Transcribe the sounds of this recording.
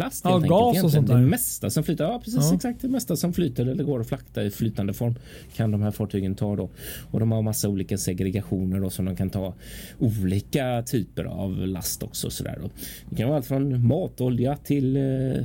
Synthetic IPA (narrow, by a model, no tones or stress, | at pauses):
last̪heɛɡɑːd̪ɛmɛst̪asɔmflyːt̪aɾjɑːpʰɾɛsiːssɛksak̚t̪̚d̪ɛmɛst̪asɔmflyːt̪aɾɛlːəɾɡoːɾɔflakt̪aɾɪflyːt̪and̪əfɔɾm | kʰand̪ɔmɦæːɾfɑːʈʰyːɡənt̪ʰɑːd̪ɔɔd̪ɔmhaɾmasːauːliːkasɛɡɾɛɡaɧuːnəɖɔsɔmd̪ɔmkʰant̪ʰɑː | uːliːkat̪ʰyːpə̰ɾa̰vla̰st̪ɔ̰ksɔ̰sɔd̪æ̰ːɖɔd̪ɪkʰanʋaːalt̪fɾɔnmɑːt̪ɔljat̪ʰɪl